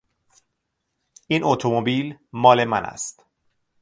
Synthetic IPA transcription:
ʔiːnot̪ʰomobiːlmɒːlemænæ̰st̪

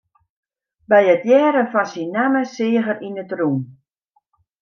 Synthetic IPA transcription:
bɛjətjɛːɾəfɔnsinːaməsɪːəɣəɾʔinətrun

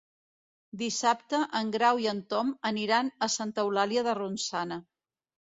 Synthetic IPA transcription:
d̪isap̚t̪əʔəŋɡɾawiənt̪ɔməniɾanəsant̪əwlaliəðərunsanə

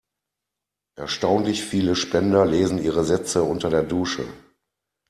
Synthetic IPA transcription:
ʔɛɐʃtaʊnlɪçfiːləʃpɛndɐleːzn̩iːʁəzɛt͡səʊntɐdeːɐduːʃə̰

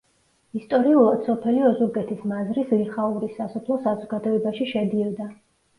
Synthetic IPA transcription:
ist̪ʼɔɾiulˠad̪̥sɔpʰɛliɔzuɾɡɛt̪ʰismazɾisliχauɾisːasɔpʰlˠɔsazɔɡad̪ɔɛbaʃiʃɛd̪iɔd̪a

